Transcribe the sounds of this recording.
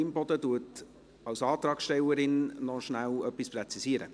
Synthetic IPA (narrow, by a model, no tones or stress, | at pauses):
ɪmbɔdətuət | ɑwsɑːt̪ɾɑːksʃtɛləɾɪnːɔʃnælœpɪsprɛt͡sisiːəɾə̰